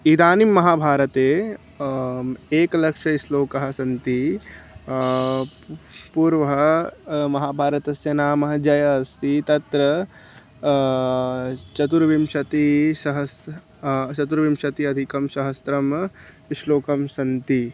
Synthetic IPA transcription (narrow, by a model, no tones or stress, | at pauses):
id̪aːnimːɐɦaːbʱaːɾɐt̪eː | eːklɐkʂɐiʃloːkɐɦɐsɐnt̪i | puːɾʋɐmɐɦaːbʱaːɾɐt̪ɐsjɐnaːmɐɦɐd͡ʒɐjɐːst̪it̪ɐt̪ɾɐ | t͡ʃɐt̪uɾʋimʃɐt̪iʃɐɦɐs | t͡ʃɐt̪uɾʋimʃɐt̪iɐd̪ʱikɐmʃɐɦɐsɾɐm | iʃloːkɐmsɐnt̪i